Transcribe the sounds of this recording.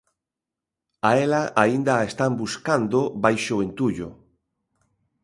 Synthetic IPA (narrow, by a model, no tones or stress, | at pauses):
aelaʔaind̪aest̪ambuskand̪obajʃoent̪uʎo̰